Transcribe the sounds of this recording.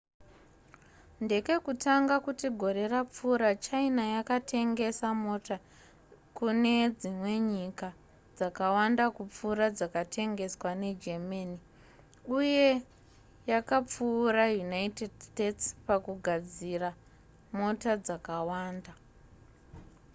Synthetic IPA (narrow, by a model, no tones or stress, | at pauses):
nde̞ke̞kutaŋɡakutiɡʱo̞ɾe̞rap͡fuːɾat͡ʃainajakatʰe̞ŋɡe̞samo̞ta | kune̞d͡zimwe̞ɲika | d͡zakawandakup͡fuːɾad͡zakatʰe̞ŋɡe̞swane̞d͡ʒemani | uje̞ | jakap͡fuːrajunaitedstetspakuɡʱad͡zira | mo̞tad͡zakawaːnda